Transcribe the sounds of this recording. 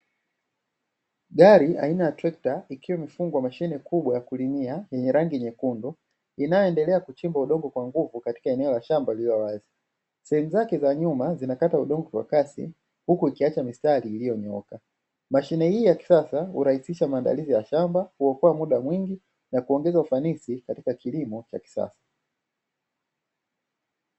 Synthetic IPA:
ɠaɾia̰inajatɾɛk̚taikiwɛmifuŋɡuwamaʃinɛkʰuɓwajakulimiajɛɲɛɾaŋɡiɲɛkundɔ | inajɔɛndɛlɛakut͡ʃimbauɗɔŋɡɔkwaŋɡuvukati̥kaɛnɛɔlaʃambaililɔwazi | sɛhɛmuzakɛzaɲumazinakatauɗɔŋɡɔkwa̰kasḭ | hukuikiat͡ʃamistaliːlijɔɲɔka | maʃinɛhiːjaki̥sasahṵɾahisiʃamaːnda̰lizijaʃambahuɔkɔwamuɗamwiŋɡi | nakuɔŋɡɛzaufanisikatikakilimɔt͡ʃa̰ki̥sa̰sḁ

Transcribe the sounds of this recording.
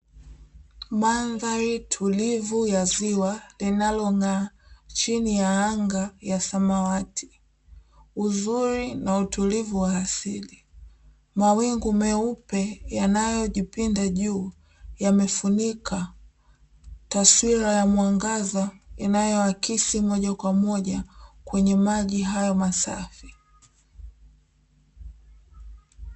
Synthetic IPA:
manðaɾitʰulivujaziwalinalɔŋaːt͡ʃinijaaŋɡajasamawatʰi̥ | uzuɾinautulivuwaːsili | mawiŋɡumɛupɛjanajɔʄipindaʄuː | jamɛfunikʰa | taswiɾajamwaŋɡazainajɔakisimɔʄakwamɔʄakwɛɲɛmaʄiɦajɔmasa̰fi

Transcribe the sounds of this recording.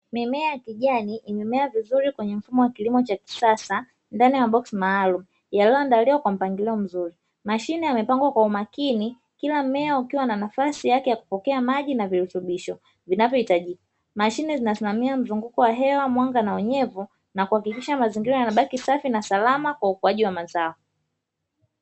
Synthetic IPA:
mɛmɛakiʄaniʔimɛmɛavizuɾikwɛɲɛm̩fumɔwakilimɔt͡ʃaki̥sasa | ndanijaɓɔksimaːlumu | jaliɔndaliwakwam̩paŋɡilɛɔm̩zuɾi | maʃinɛamɛpaŋɡwakwaumakini | kilamɛɔukiwananafasijakɛjaku̥pɔkɛamaʄinaviɾutuɓiʃɔ | vinavjɔhitaʄika | maʃinɛzinasimamiam̩zuŋɡukɔwaɦɛwamwaŋɡanaɔɲɛvu | nakuhakikiʃamaziŋɡiɾajanaɓakisafinasalamakwaukuaʄiwamazaɔ

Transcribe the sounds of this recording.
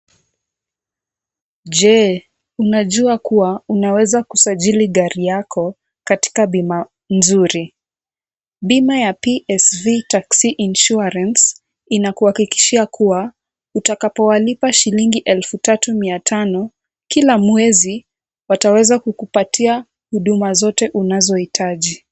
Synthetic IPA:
ʄɛ | unaʄuakuwaunawɛzakusaʄiliɠaɾijakʰɔ | kati̥kaɓima | nzuɾi | ɓimajapiʔɛsvitaksiʔinʃuaɾans | inakuhakiki̥ʃiakʰuwa | utakapɔwalipaʃiliŋɡiʔɛlfutatumiatʰanɔ | kilamwɛzi | watawɛzakukupatia | huɗumazɔtɛʔunazɔhitʰaʄi

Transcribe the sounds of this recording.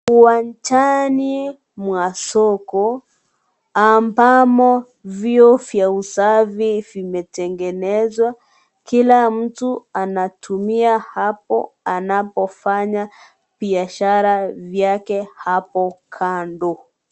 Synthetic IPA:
uwant͡ʃani | mwasɔkɔ | ambamɔ | viɔfjausavivimɛtɛŋɡɛnɛzwa | kilam̩tuanatʰumiahapɔ̰anapɔfaɲa | b̥iaʃaɾavjakɛhapɔkʰandɔ

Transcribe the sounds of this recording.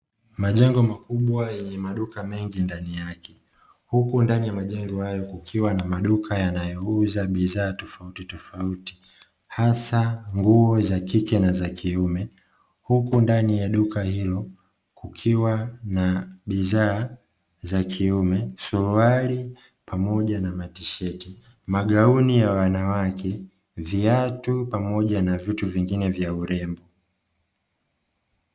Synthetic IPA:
maʄɛŋɡɔmakuɓwajɛɲɛmaɗukamɛŋɡindanijakɛ | hukundanijamaʄɛŋɡɔhajɔkukʰiwanamaɗukʰajanajɔuzaɓizaːtɔfautitɔfauti̥ | hasaŋɡuɔzakikɛnazakʰiumɛ | hukundanijaɗukahilɔ | kukʰiwanaɓizaː | zakʰiumɛsuluali | pamɔʄanamatiʃɛti | maɡaunijawanawakʰɛ | viatupamɔʄanavituviŋɡinɛvjauɾɛmbɔ

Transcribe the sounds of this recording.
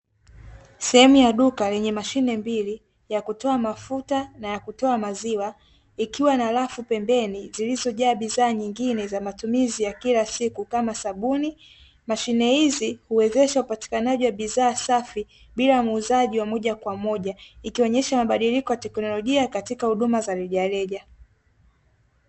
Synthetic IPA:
sɛhɛmujaɗukalɛɲɛmaʃinɛmbili | jakutɔamafutanajakutɔamaziwa | ikiwanalafupɛmbɛnizilizɔʄaːɓizaːɲiŋɡinɛzamatumizijakilasikukamasaɓuni | maʃinɛhizihuwɛzɛʃaupati̥kanaʄiwaɓiðaːsafi | ɓilamːzaʄiwamɔʄakwamɔʄaikiɔɲɛʃamaɓaɗilikɔwatɛknɔlɔʄiakatikahuɗumazalɛʄalɛʄa

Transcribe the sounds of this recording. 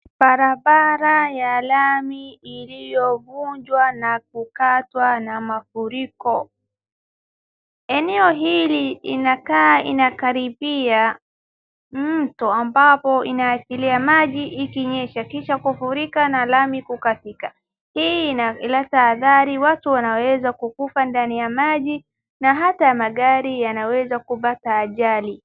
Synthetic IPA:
baɾabaɾajalamiilijɔvuɲd͡ʒwanak̚ukatwanamafuɾikɔ | ɛnɛɔɦiliːnakaḭnakaɾibia | m̩tuambapɔinaːsiliamaʄiʔːkiɲɛʃakiʃakɔfuɾikanalamikukasika | hiːalataːðaɾiwatuwanawɛzakukufandanijamaʄi | naɦataamaɠaɾijanawɛzakupataːʄali

